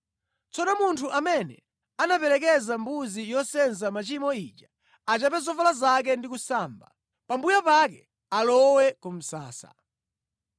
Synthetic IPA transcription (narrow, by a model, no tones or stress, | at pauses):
t͡sɔnɔmuntʰuʔamɛnɛ̰ | anapɛlɛk̬ɛzambuzijɔsɛnzamat͡ʃimɔit͡ʃa | at͡ʃapɛzɔfalazak̬ɛndikusaːmba̰ | pambujapakɛ | alɔwɛkum̩sa̰ːsa̰